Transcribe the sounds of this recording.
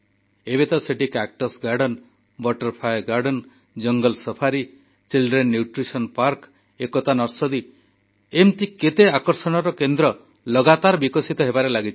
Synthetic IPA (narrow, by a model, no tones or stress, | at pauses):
ebet̪ɔseʈikak̚ʈɔsɡaɾɖɔn | bɔʈɔɾpʰajɡaɾɖɔn | d͡ʒɔŋɡɔlsɔpʰaɾi | t͡ʃilɖɾenːjuʈɾisɔnpaɾk | ekɔt̪anɔɾsɔd̪i | emt̪iket̪eakɔɾsɔɽ̃ɔɾɔkend̪ɾɔ | lɔɡat̪aɾbikɔsit̪ɔɦebaɾelaɡit͡ʃʰi